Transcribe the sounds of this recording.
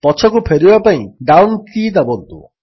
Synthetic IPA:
pɔt͡ʃʰɔkupʰeɾibapaĩɖawnkid̪abɔd̪ṵ

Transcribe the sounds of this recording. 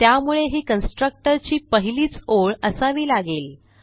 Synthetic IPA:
t̪jamuɭeɦiːkənsʈɾək̚ʈəɾt͡ɕiːpəɦiliːt͡soɭəsaʋiːlaɡeːl

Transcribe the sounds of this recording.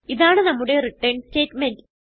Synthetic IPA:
iðaːɳɨnɐmːuɽe̞riʈːeɳɖste̞ːtmendɨ

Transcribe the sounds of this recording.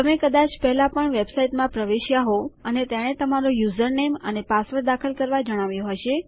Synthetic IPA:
əmekəd̪at͡ʃpɛɦlapəɳʋebsaiʈmãpɾəʋeʃjaɦoənet̪aɽ̃et̪əmaɾojuzəɾnemə̰nepasʋəɾd̪akʰəlkəɾʋad͡ʒəɽ̃aʋjõɦojʃe

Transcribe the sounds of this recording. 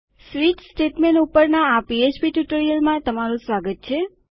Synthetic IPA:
sʋiʈsʈeʈmenupəɾnaːpiet͡ʃpiʈjuʈoɾijəlmãt̪əmaɾũsʋaɡət̪̚t͡ʃʰe

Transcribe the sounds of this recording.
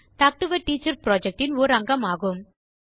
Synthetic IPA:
ʈaːk̚ʈɯʋɐʈiːt͡ʃɐɾpɾoːd͡ʒɛk̚ʈɪnɔːɾɐŋɡɐmaːɣɯm

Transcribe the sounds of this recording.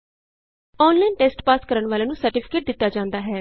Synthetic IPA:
ɔːnlainʈeːsʈpaːskəɾəɳʋaːleːnũːsəɾʈɪpʰɪ̥keːʈ̚d̪ɪt̪ːaːd͡ʒãːnd̪aːɦɛː

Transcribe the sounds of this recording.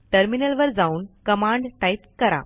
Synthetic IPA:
ʈəɾminəlʋəɾd͡zauːnkəmaɳɖʈajpskəɾa̰

